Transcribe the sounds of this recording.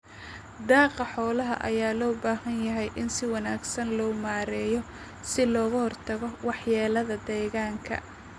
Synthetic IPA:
d̪ɑːqɑħɔːlɐɦɐ̰ʔɐ̰jaːlɔːbaːhɐnjɐɦɛjʔɪnsɪwɑnaːɡsɐnlɔːmaːɾɛːjɔ | sɪlɔːɣʊhɔrt̪ʰɐɣɔwɑħjaːlɐðɐd̪ɛːɣaːŋkʰɐ̰

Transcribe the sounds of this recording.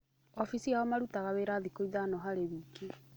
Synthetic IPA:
ɔfisiaɔmaɾutaɣaweɾaːðikoiðanɔɦaɾeβiːke

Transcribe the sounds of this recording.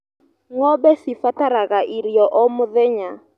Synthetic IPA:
ŋɔbɛsɪfataɾaɣaʔiɾjɔʔɔmʊðɛɲa

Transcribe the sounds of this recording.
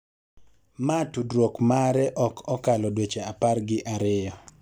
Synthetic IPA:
matudɾokmaɾɛʔɔkʰɔkalɔdwet͡ʃeaparɡɪʔaɾɪjɔ

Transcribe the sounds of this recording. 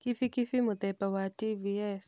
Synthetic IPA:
kifikifimut̪ɛpawativiɛs

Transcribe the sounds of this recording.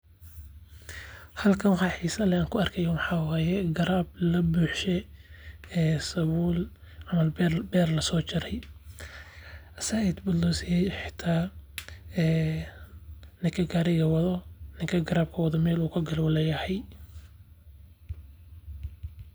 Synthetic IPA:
hɐlkʰɐnwħɑːħiːsɐlɛaːŋkʰʊɐrkʰɛjɐwɑħɑːwaːjɛɡɐɾaːblɐbuːħʃɛ | ɛːsɐβuːl | ʕɑmɐlɛbɛːrlɐsɔːt͡ʃɪɾɛj | ʔɐsajɛd̪bʊlɔsɪjɛjħɪ̥t̪ʰaː | ɛː | nɪkʰɐɡaɾɪɣɐwɐðɔnɪkʰɐɡɐɾaːb̚kʰɐwɑðɔmɛːluːkʰɐɡɐlwɐlɛjɐhɛj

